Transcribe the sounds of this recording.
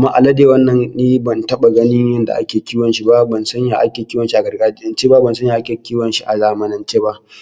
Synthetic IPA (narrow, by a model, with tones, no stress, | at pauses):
mːaː˦ʔa˨lɐ˦deː˨wɐ˦nːɐ˨nːiː˦bɐ˨ntɐ˦ɓa˨ɡɐ˦nɪ˦ɲjɐ˦nda̰˨ʔa˦kʲeː˨kʲiː˦wɐ˨nʃi˦ba˦bɐ˨nsɐ˦ɲja˨ʔa˦kʲeː˨kʲi˦wɐ˦nʃi˦ʔa˨ɡɐ˨rɡaː˦d͡ʒɪ˦nɐ˦nt͡ʃeː˦ba˦bɐ˨nsɐ˦ɲjaː˨ʔa˦kʲeː˨kʲiː˦wɐ˨nʃi˦ʔa˨zaː˨mɐ˦nɐ˦nt͡ʃeː˦ba˦ʔ